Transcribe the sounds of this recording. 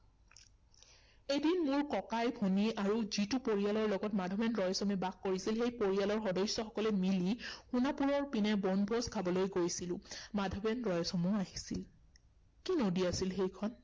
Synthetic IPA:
ejdinmʊɹkɔkajbʱoniaɹuzitupoɹialɔɹlɔɡɔtmadʱɔmɛnɹɔjsɔmɛbakkːoɹisilxejpoɹialɔɹxɔdɔjsjɔxɔkɔlɛmilixunapuɹɔɹpinɛbɔnbʱɔskʰabɔlojɡojsilʊ̃madʱɔbɛnɹɔjɔsɔmuaɦisil | kinodiasilxejkʰɔn

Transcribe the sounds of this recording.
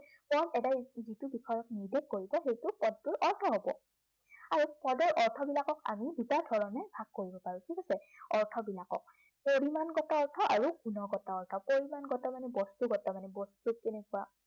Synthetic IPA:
pɔnɛdazitubikʰɔjɔk̚niɹdʱɛkkːoɹibɔxejtʊpɔd̚tʊɹʔɔɹtʰɔɦɔbɔ̰ | aɹupɔdɔɹʔɔɹtʰɔbilakɔka̰midutaɹdʱɔɹɔnɛbʱaɡ̚kːoɹibɔpaɹũtʰikasɛɔɹtʰɔbilakɔ̰k̚ | poɹimanɡɔtaɔɹtʰɔʔaɹukunɔɡɔtaɔɹtʰɔpoɹimanɡɔtamanɛbɔstuɡɔtamanɛbɔstukenɛkʊa

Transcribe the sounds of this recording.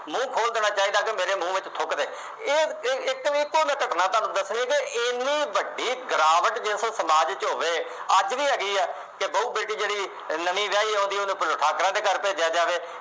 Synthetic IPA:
mũːkʰoːld̪eːñaːt͡ʃaːɦiːd̪aːkemeːɾeːmũːʋɪt͡ʃt̪ʰʊkd̪eː | eːɪkʋiɪkːoːmɛ̃ːkəʈnaːt̪ãːnũːd̪əsnẽːkeɪniːbəɖːiːɡɾaːʋəʈd͡ʒɪssəmaːd͡ʒt͡ʃɦoːʋeː | ət͡ʃʋiːɦɛːɡəiːɛː | kebəuːbeːʈiːd͡ʒeːɽiː | nəʋĩːʋjaːiːɦõːnd̪iːonũːpəloʈʰaːkɾãːd̪eːkəɾpɛːd͡ʒaːd͡ʒaːʋeː

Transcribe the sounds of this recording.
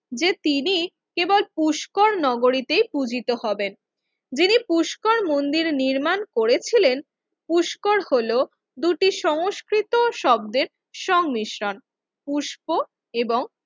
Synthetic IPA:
d͡ʑet̪ini | kebolpuʃkoɾnɔɡoɾit̪ejpud͡ʑit̪oɦɔben | d͡ʑinipuʃkoɾmond̪iɾniɾmankoɾet͡ɕʰilen | puʃkoɾholo | d̪uʈiʃɔŋoskɾit̪oʃɔb̚d̪eɾ | ʃɔŋmiʃɾon | puʃpo | eboŋ

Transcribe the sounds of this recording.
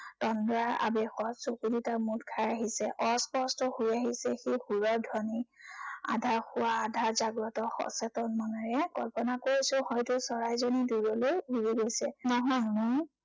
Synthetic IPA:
tɔndɔɹaɹa̰bɛxɔtsokuditamutkʰajaɦisɛʔɔspɔstɔhujaɦisɛxehuɹɔɹdʱɔnia̰dʱaɹxʊwaːdʱaɹzaɡɹɔtɔxɔ̰sɛtɔnmanaɹɛkɔlpɔnakoɹisʊ̃hɔjtʊsɔɹajzoniduɹɔlojbuɹiɡojsɛnɔɦɔjmoj

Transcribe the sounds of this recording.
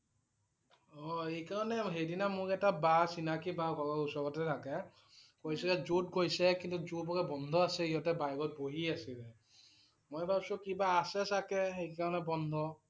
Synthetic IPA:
ɔejkaɹɔnɛɦejdinamʊɹɛtabasinakibaɡʰʱɔlɔusɔɡɔtɛtʰakɛ | kojsɛkɛzutkojsɛkintuzubɔkɛbɔndʱɔasɛiɔtɛbajɡɔt̚boɦiasilɛ | mojbʱabsʊ̃kibaːsɛsakɛxejkaɹɔnɛbɔnd̪ʱɔ

